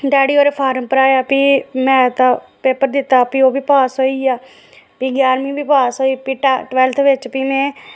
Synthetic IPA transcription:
ɖaːɽiːoːɾeːpʰaːɾəmpəɾaːjaːpiːmɛ̃ːt̪ãpeːpəɾd̪ɪt̪ːaːpiːoːbiːpaːsɦoːiːaː | piːɡaːɾmĩːbiːpaːsɦoːiːpiːʈaʈʋɛlt̪ʰʋɪt͡ʃpiːmɛ̃ː

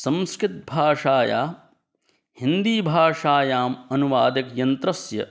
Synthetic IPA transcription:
sɐmskɾɪt̪̚bʱaːʂaːja̰ː | hind̪iːbʱaːʂaːjaːmɐnuʋaːd̪ɐkjɐnt̪ɾɐsjɐ̰

